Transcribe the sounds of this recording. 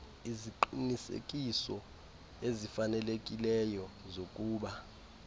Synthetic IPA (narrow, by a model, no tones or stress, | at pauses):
iziǃinisḛk̬ʼisɔ | ezifanɛlekʼilɛjɔzokʼuːɓa